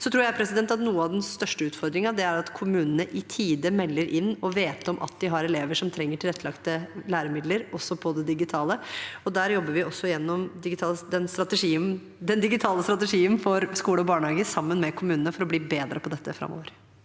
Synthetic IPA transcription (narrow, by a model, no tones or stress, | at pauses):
sɔt̪ʰɾuːɾjæɪpʰɾɛsɪd̪ɛnt̪ːɑt̪nuːəɑʋd̪ɛnst̪œʂʈəʉːt̪fɔɾd̪ɾɪŋɑʋd̪ɛæɾɑt̪kʰʊmʉːnənəʔɪt̪ʰiːd̪əmɛlːəɾʔɪnːɔʋeːt̪ɔmʔɑ̰t̪̚d̪ɪɦɑɾɛleːʋəʂɔmt̪ʰɾɛŋːəʈʰɪlɛt̪ːəlɑkt̪əlæːɾəmɪd̪ləɾɔsːɔpʰɔd̪ɛd̪ɪɡɪt̪ʰɑːləɔd̪æːɾjɔbːəɾʋɪʔɔsːɔɪjɛnːɔmd̪ɪɡɪt̪ʰɑːld̪ɛnst̪ɾɑt̪əʂiːən | d̪ɛnd̪ɪɡɪt̪ʰɑːləst̪ɾɑt̪ɛʂiːənfɔɾskuːləɔbɑːɳhɑːɡəsɑmːənmɛkʰʊmʉːnənəfɔɾɔbliːbeːd̪ɾəpʰɔd̪ɛt̪ːəfɾɑ̰mːo̰ːʋəɾ